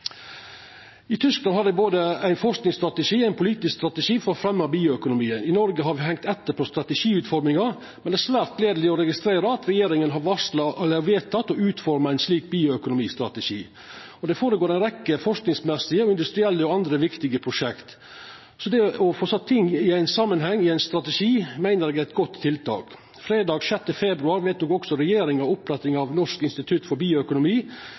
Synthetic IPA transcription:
ɪt̪ʰʏsklɑnhɑɖɛboːd̪əæɪnfɔʂknɪŋst̪ɾɑt̪əʂiːæɪnpʰʊliːt̪ɪskst̪ɾɑt̪əʂiːfɔɾɔfɾɛmːɑbiːʊœkʊnʊmiːənɪnɔɾɡəɦɑɾʋɪɦɛŋt̪ɛt̪ːəɾpʰɔst̪ɾɑt̪əʂiːʉːt̪fɔɾmɪŋɑɾ | mɛnɛæːʂsʋæːɾt̪leːd̪əlɪɔɾɛɡɪst̪ɾeːɾəɑt̪ɾɛjeːɾɪŋənɦɑɾʋɑʂlɑʔlæʋeːt̪ʰːɑt̪ːɔʉːt̪fɔɾməæɪnsliːk̚biːʊœkʊnʊmiːst̪ɾɑt̪ɛʂḭː | ɔd̪ɛfoːɾəɡoːɾæɛɪnɾɛkːəfɔʂknɪŋsmɛsɪəɔɪnd̪ʉst̪ɾɪɛlːəɔɑnd̪ɾəʋɪkt̪ɪɡəpʰɾʊʂɛkt̪ | sɔd̪ɛɔfoːsɑt̪ʰːɪŋːɪæɪnsɑmːənɦɛŋːɪæɪnst̪ɾɑt̪əʂiːmæɪnəɾɛːɡæɪt̪ɡɔt̪ʰːɪlt̪ʰɑ̰ːk | fɾeːd̪ɑːɡʂɛt̪ːəfɛbɾʉɑːɾʋɛɪt̪̚d̪ɔɡɔksɔɾɛjeːɾɪŋɑʊpɾɛt̪ɪŋɑʋnɔʂkɪnst̪ɪt̪ʰʉt̪fɔɾbiːʊœkʊnʊmiː

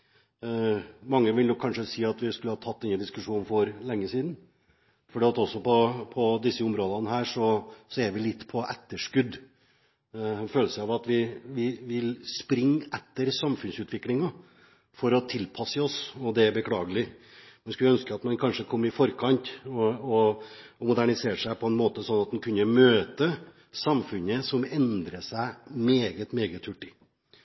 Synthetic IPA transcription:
mɑŋːəʋɪljʊkʰɑnʂəsiːɑt̪ʋɪskʉləhɑːt̪ʰɑt̪̚ːd̪ɛnːəd̪ɪskʉʂuːnn̩fɔɾlɛŋːəsiːd̪n | fɔɖiːɑt̪ɔsːɔpʰɔpʰɔd̪ɪsːəʊmɾoːd̪ɑnəhæːʂɔsɔɛɾʋɪlɪt̪ːpʰɔʔɛt̪ːəʂkʉd̪ | føːləsəɑʋɑt̪ʋɪʋɪʋɪlspɾɪŋːɛt̪ːəɾsɑmfʉnsʉːt̪ʋɪklɪŋɑ | fɔɾɔt̪ʰɪlpʰɑsəɔsɔd̪ɛæɾbəkʰɽɑːɡəlɪ | mɛnskʉlœnskəɑt̪mɑnkʰɑnʂəkʰɔmːɪfɔɾkʰɑnt̪ɔɔmʊd̪æɳɪseːɾʂæɪpʰɔɛnmoːt̪əsɔnːɑt̪̚d̪ɛnkʰʉnːəmøːt̪ə | sɑmfʉnəsɔmɛnd̪ɾəsæɪmeːɡət̪meːɡət̪ʰhʉʈːɪ

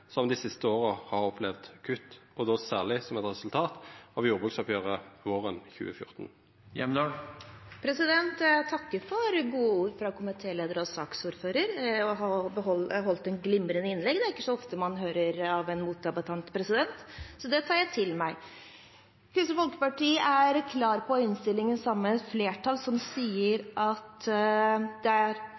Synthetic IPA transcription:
sɔmd̪ɪsɪst̪əoːʁəhɑʁɔpʰlɛʋd̪kʰʉt̪ːɔd̪oːsæːʁlɪsɔmɛt̪ʁɛsʉlt̪ʰɑːt̪ɑʋjuːʁbʁʉksɔpʰjøːʁəʋoːʁənçʉ̰ːəfjʊ̰ʁt̪n | jɛ̰md̪oːpʰɾɛsɪd̪ɛnt̪t̪ʰɑkːəɾfɔɾɡuːəuːɾfɾɑkʰʊmæt̪ʰeːleːd̪əɾɔsɑːksuːɾføːɾəɾɔɦɑbəɦɔlɦɔlt̪ɛnɡlɪmɾənəɪnlɛɡd̪ɛæɾɪkːə̥sɔɔft̪əmɑnɦøːɾəɾɑʋɛnmuːt̪ɑbət̪ʰɑnt̪pʰɾɛsɪd̪ɛnt̪sɔd̪ɛt̪ʰɑːɾjæɪt̪ʰɪlmæɪ | kʰɾɪst̪əfɔlkə̥pɑʈiːəʔæɾkʰlɑːɾpʰɔɪnst̪ɪlːɪŋənsɑmːəfleːʈʰɑlsɔmsiːəɾʔɑt̪ | d̪ɛæɾ

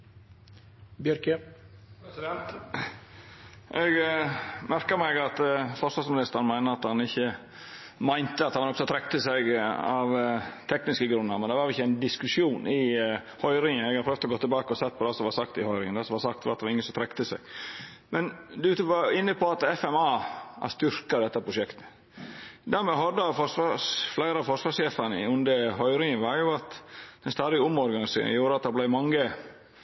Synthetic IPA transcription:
bjœɾkəpɾɛsɪd̪ɛnt̪ | ʔɛɡ | mæɾkəɾmæɪɡɑt̪fɔɾsʋɑsmɪnɪst̪əɾn̩mæɪnəɑt̪hɑnɪçːə | mæɪnt̪əɑt̪hɑʋɑɾɔpt̪ɔt̪ʰɾɛk̚t̪əsɛɡɑʋt̪ʰɛknɪskəɡɾʉnːəɾmɛnd̪ɛʋɑːɾɪçːəæɪnd̪ɪskʉʂjuːnʔɪ | hœʏɾɪŋənɛɡɑɾpɾøːʋt̪ɔɡoːt̪ɪlbɑːkəɔsɛt̪̚ːpʰɔd̪ɛsɔmʋɑɾsɑkt̪ɪhœʏɾɪŋənd̪ɛsɔmʋɑsɑkt̪ʋɑ̰ɾɑt̪d̪əʋɑɾɪŋənsɔmt̪ʰɾɛkt̪əsæ̰ɪɡ | mɛnd̪ɛʉːt̪əʋɑɾɪnːəpʰɔɑt̪ɛfɛmɑːæ̰st̪ʏɾkɑd̪ɛt̪ːəpʰɾʊʂɛkt̪ə̥ | d̪æːɾmɛɦɑd̪ːəɑfɔʂʋɑflæɪɾəɑfɔʂʋɑːʂjeːfənəɪʉnd̪əɦœʏɾɪŋənʋɑɾjʊɑt̪d̪̥ɛnst̪ɑːd̪ɪʊmɔɾɡɑnɪsḛːɾɪ̰juːɾəɑt̪̚d̪ɛɾblæɪmɑŋːə

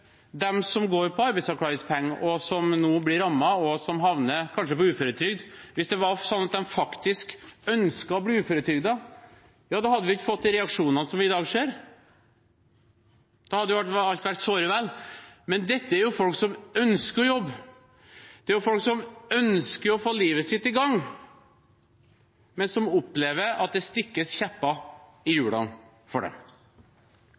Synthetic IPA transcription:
d̪ɛmsɔmɡoːɾpʰɔɑɾbæɪsɑkʰlɑːɡɪspʰɛŋːʔɔsɔmnuːblɪɾɑmːɑɔsɔmɦɑʋnəkʰɑnʂəpɔʉːfɔːɾət̪ʰʏɡd̪ʋɪsd̪ɛʋɑsɔnːɑt̪̚d̪ɛmfɑkt̪ɪskœnskɑɔbliːʉːfɔːɾət̪ʰʏɡd̪ɑ | jɑːd̪ɑːhɑd̪ːəʋɪɪçːəfɔt̪ːɪɾɛɑkʂuːnɑnəsɔmʋɪɪd̪ɑːɡʂeːɾ | d̪̥ɑhɑd̪əjʊʋæʈɑlt̪ʋæʈsoːɾəʋɛlmɛnd̪ɛt̪ːəæɾjʊfɔlksɔmœnskəɾɔjɔbː | d̪̥ɛæɾjʊfɔlksɔmœnskəɾɔfoːliːʋəsɪt̪ːɪɡɑŋː | mɛnsɔmʊpːleːʋəɾɑ̰t̪̚d̪ɛst̪ɪkːəsçæpːɑ | ɪjʉːlɑ̰n | fɔɖɛ̰m

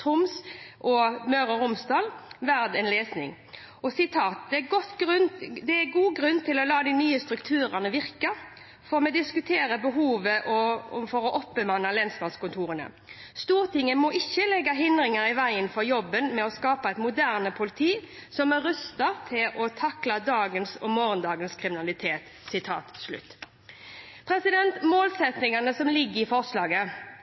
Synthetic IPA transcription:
t̪ʰʊmsʔɔmœɾəɾʊmsd̪ɑːlʋæɾd̪ɛnleːsnɪ̰ŋ | ɔsɪt̪ʰɑːt̪̚d̪ɛæɡɔt̪ːɾnd̪ɛæɡuːɡɾʉnːt̪ʰɪlɔlɑːd̪ɪnyːəst̪ɾʉkt̪ʰʉːɾənəʋɪʁkə | fɔʁmɛd̪ɪskʉt̪ʰeːɾəbəɦuːʋəʔɔfɔɾɔʔɔpːəmɑnɑlɛnsmɑnskʊnt̪ʰuːʁənə̰ | st̪uːʁt̪ɪŋːəmɔɪçːəlɛɡːɑɦɪnd̪ɾɪŋəɾɪʋæɪənfɔɾjɔbːənmɛɔskɑːpɑæɪt̪mʊd̪æʁnəpʰʊlɪt̪ʰiːsɔmɛɾʉst̪ɑʁt̪ʰɪlʔɔt̪ʰɑklɑd̪ɑːɡənsɔ̰moːɾənd̪ɑːɡənskʰɾɪmɪnɑlɪt̪ʰeːt̪ | sɪt̪ʰɑ̰ːt̪slʉ̰t̪ː | pʰɾɛsɪd̪ɛnt̪moːlsɛt̪nɪŋɑnəsɔmlɪɡːəɪfɔʁslɑːɡə

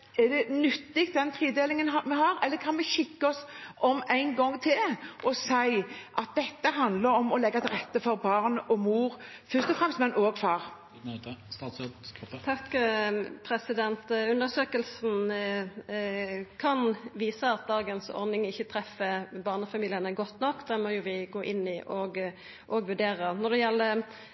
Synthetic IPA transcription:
ɛd̪ɛnʏt̪ːɪk̚t̪̚d̪ɛnt̪ʰʁiːd̪eːlɪŋənɦɑmɛɦɑːɾɛlːəkʰɑnʋɛçɪkːəɔsɔmæɪnɡɔŋːt̪ʰɪlʔɔsæɪʔɑt̪̚d̪ɛt̪ːəɦɑnd̪ləɾɔmɔlɛɡːɑt̪ʰɪlʁɛt̪ːəfɔɾbɑːʁnɔmuːʁfœst̪ɔfʁɛmst̪mɛnʔoːɡfɑːʁ | t̪ʰɑkː | pʰɾɛsɪd̪ɛnt̪ʉnəsøːkəlsn̩ | kʰɑnʋiːsəɑt̪̚d̪ɑːɡənsɔ̰ɾnɪŋɪçːət̪ʰɾɛfəbɑːʁnəfɑmiːlɪənəɡɔt̪ːnɔkːd̪ɛmɔjʊʋɪɡoːʔɪnːɪʔɔɡ | ʔɔɡʋʉɖeːɾənɔd̪ɛjɛlːə

